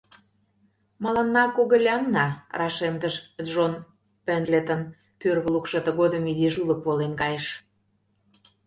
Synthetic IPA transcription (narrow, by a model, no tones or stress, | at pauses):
mɑlɑnːɑkoɣə̆lʲɑnːɑrɑʃemt̪əʃʒon | pĕnlʲet̪ə̆n | t̪ørβəlukʃɤ̆t̪ə̆ɣod̪ə̆miziʒulə̆kβolenkɑjeʃ